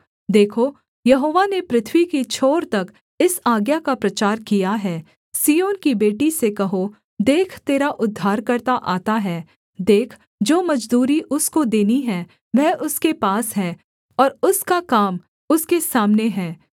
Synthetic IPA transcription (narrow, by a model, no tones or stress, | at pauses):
d̪eːkʰo | jɐɦoːʋanepɾɪt̪ʰwikit͡ʃʰoːɾt̪ɐk | ɪsaːɡjakapɾɐt͡ʃaːɾkijaɦɛː | siːjoːnkibeːʈisekɐɦo | d̪eːkʰt̪eːɾaʔʊd̪ʱːaːɾkɐɾt̪aʔaːt̪aɦɛː | d̪eːkʰ | d͡ʒoːmɐd͡ʒd̪uːɾiʔʊskod̪eːniɦɛ | ʋɛːʊskepaːsɦɛː | ɔːɾʊskakaːm | ʊskesaːmneɦɛː